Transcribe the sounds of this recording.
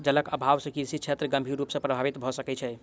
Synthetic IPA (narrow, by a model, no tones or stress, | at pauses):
d͡ʒələkəbʱaʋsə̃kiɾsit͡ʃʰet̪ɾəɡəmbʱiɾːupsə̃pɾəbʱaʋit̪bʱɔsəkɛt͡ʃʰɛ